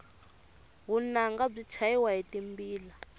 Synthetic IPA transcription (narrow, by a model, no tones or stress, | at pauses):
ɣunaŋɡab͡ʐit͡ʃʰaiwaɦitimbiːla